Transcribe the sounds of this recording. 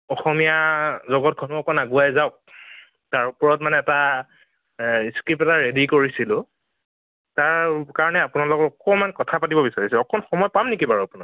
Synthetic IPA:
ɔxɔmijazɔɡɔt̚ɡʰʱɔnuɔkɔnaɡuajzaʊk̚ | taɹupɔɹɔt̚manɛːta | iskɹipɛtaɹedikoɹisilʊ | taɹkaɹɔnɛapunalɔkɔtɔkɔmankɔtʰapatibɔbisaɹisɛɔkɔnxɔmɔjpamnekibaɹapuna

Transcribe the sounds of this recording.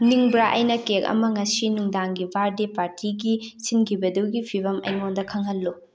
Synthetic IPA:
niŋbɾaʔɐjnɐkekɐ̰mɐŋɐsinuŋdaŋɡibʱaɾdepaɾtʰiɡisinkʰibɐduɡipʰiβɐmɐ̰jŋondɐkʰɐŋɦɐlːu

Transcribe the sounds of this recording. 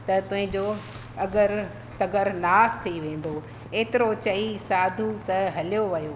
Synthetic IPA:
t̪ɐt̪ʊ̃ɦɪ̃ɲd͡ʑo | ɐɡəɾ | t̪ɐɡəɾnaːst̪ʰiʋẽːn̆d̪o | eːt̪ɪɾot͡ɕɐisaːd̪ʱut̪ɐɦɐlijoʋɐjoː

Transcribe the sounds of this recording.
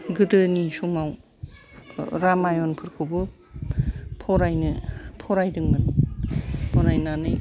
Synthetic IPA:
ɡɯdɯnisɔmaw | ɾamajɔnpʰɯɾkʰɯwbɯ | pʰɔɾajnɯpʰɔɾajdɯŋmɯn | pʰɔɾajnanɯj

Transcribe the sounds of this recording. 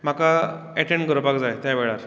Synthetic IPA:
m̤aka | ɛʈeɳɡʱəɾəpakd͡zajt̪ãjbeɭaɾ

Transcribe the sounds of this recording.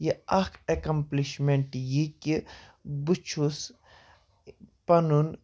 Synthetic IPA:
jiakekɐmpliʃmeɳʈjiki | but͡ʃʰus | pɐnun

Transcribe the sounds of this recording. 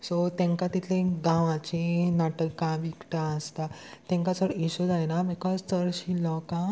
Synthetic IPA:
sot̪ẽŋkat̪it̪ʰlẽɡãʋãt͡ɕenaʈəkːãʋikʈãəst̪at̪ɛ̃ŋkasəɽisud͡zajnabikɔd͡zt̪əɾɕilɔkã

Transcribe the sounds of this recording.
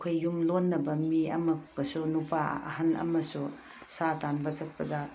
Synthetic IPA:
kʰojːumlonːɐbɐmiɐ̰mɐkːɐsunupaɐ̰ɦɐnɐ̰mɐsu | satanbɐt͡ʃɐt̚pɐdɐ

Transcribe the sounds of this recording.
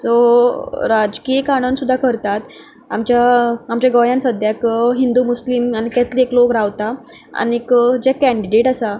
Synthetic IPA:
so | ɾad͡zkikaɽ̃ənsud̪ʱːakəɾt̪at̪ | a̰mt͡ɕjaamt͡ɕjaɡɔjansəd̪ʱjakɦind̪uːmuslimanikɛt̪lieklokɾaʋt̪a | a̰niekd͡ʑɛkæ̃ɳɖiɖeʈasa

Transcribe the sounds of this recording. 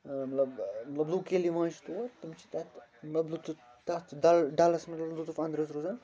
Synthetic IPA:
mɐt̪lɐbmɐt̪lɐblukeliʋãːt͡ʃʰit̪ut̪ɐmt͡ʃʰi̥t̪ɐt̪mɐt̪blut̪u | t̪at̪ɖalɖalɐsmɐt̪lɐblut̪ufɐ̃nd̪ɾɐsɾuzan

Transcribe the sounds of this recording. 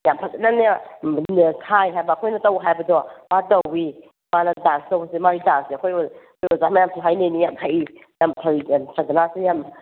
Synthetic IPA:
jampʰak̚zenana | sʰajɦajbɐːkʰojnɐtɐwɦajbɐdɔmatɐwi | manɐdanstɐwbɐsemaɾidanseɐkʰojɔkʰojɔzamɐjamtʰaɦajnenijamtʰajijamtʰaɾisʰadɐnasejam

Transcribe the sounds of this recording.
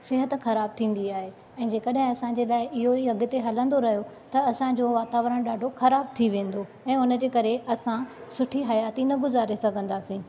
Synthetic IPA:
sɪɦət̪̆xɐɾaːb̚t̪ʰĩːn̆d̪iaːɦe | ɛ̃ːd͡ʑeːkɐɗɦɪ̃ɐsãɲd͡ʑelaːɪʔɪɦoiɐɡʊ̆t̪eɦɐlə̃nd̪oɾɐɦijo | t̪ɐɐsãd͡ʑoːʋaːt̪aːʋɾəɽ̃ɗaːɖʱoxɐɾaːb̚t̪ʰiʋẽːn̆d̪o | ɛ̃ːʊnə̆d͡ʑeːkɐɾeɐsãsʊʈʰiɦɐjaːt̪inɐɡʊzaːɾesɐɡʱə̃nd̪aːsĩː

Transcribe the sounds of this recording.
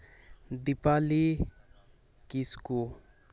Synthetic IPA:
d̪ipali | kisku

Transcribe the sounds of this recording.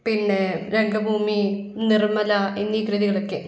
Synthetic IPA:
pinːeɾe̞ŋɡɐbʱuːmi | nirmɐlɐinːikrɨðiɣɐɭokːe

